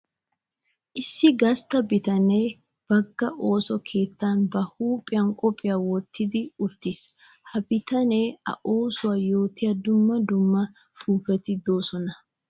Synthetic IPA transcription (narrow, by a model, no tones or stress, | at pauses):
ʔɪsːɪɡɐst̪ɐbɪt̪ɐneː | b̥ɐɡːɐʔo̞ːsɔkʰe̞ːt̪ːanbɐhuːpʼːɪjɐnkʼɔpʼːɪjawɔt̪ːɪd̪ɪʊt̪ːɪs | hɐbɪt̪ɐneːɐ̰ʔo̞ːsʊwajo̞ːt̪ɪjɐd̪ʊmːɐd̪ʊmːɐ | t̪ʰuːfɛt̪ɪd̪o̞ːsɔnɐ